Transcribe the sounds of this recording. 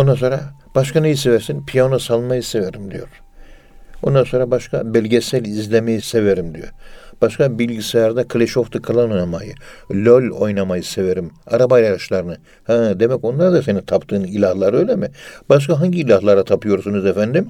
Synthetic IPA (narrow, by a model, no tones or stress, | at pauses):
ond̪anso̞ːɾab̥aʃkanejisevɛɾsinpʰijanosalˠmajɯseveɾimd̪ijo̞ɾ̥ | o̞nd̪anso̞ːɾabaʃkʰabɛlʲɟesælʲizlʲemejiseveɾimd̪ijo̞̰ɾb̥aʃkabilʲɟiseaɾd̪akʰlʲeʃo̞ft̪ʰɯkʰalˠanojnamajɯlʲølʲo̞̰jnamajɯse̞veɾima̰ɾabajaɾɯʃlˠaɾɯnɯ | hɛd̪e̞mɛco̞nlˠaɾd̪ase̞nit̪ʰapt̪ʰɯːnilʲahlˠaɾɯøjlʲemib̥aʃ̬kaɦaɲɟiːlʲahlˠaɾat̪ʰapɯjo̞ɾsunuzefænd̪im